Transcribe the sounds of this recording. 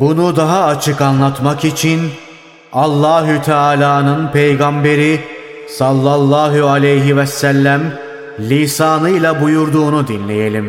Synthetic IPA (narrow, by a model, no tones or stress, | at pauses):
bunud̪aɦaːt͡ʃʰɯkanlˠat̪makit͡ʃʰin | alˠːaːɦut̪ʰɛaːlʲaːnɯnpʰe̞jɡambe̞ɾi | salˠːalˠːaːɦualʲejɦivɛsælʲːæm | lʲiːsaːnɯjlˠabujuɾd̪uːnud̪inlʲejelʲim